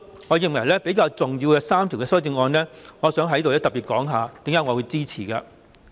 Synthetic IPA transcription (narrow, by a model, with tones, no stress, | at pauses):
ŋɔː˨˧jɪ˨ŋwɐ˨˩jlɛː˥pe˨˥jkaː˧wt͡sʊ˨ŋjiː˧wkɛː˧saː˥mt̪ʰi˨wkɛ˧sɐ˥wt͡sɪ˧ŋɔː˧nlɛː˥ŋɔː˨˧sœː˨˥ŋɦɐ˧˥jt̪o˨wlɛ˥t̪ɐ˨piː˨t̚kɔː˨˥ŋɦaː˨˧t̪iː˨˥ŋjɐ˨˥wŋː˨˧wuː˨˧jt͡siː˥t͡sʰiː˨˩kaː˧